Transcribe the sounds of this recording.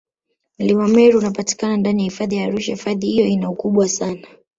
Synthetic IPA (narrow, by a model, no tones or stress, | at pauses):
m̩limamɛɾiunapati̥kanandanijahifaðijaːɾuʃahifaðihijɔinaukuɓwasana